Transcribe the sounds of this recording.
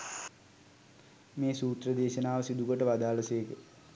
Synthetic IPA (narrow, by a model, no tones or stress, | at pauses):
meːsuːt̪rəd̪eːʃənaːʋəsid̪uɡoʈəʋad̪aːləseːkə